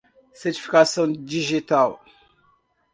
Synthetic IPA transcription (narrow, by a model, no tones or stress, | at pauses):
seti̥fi̥kasɔndiʒital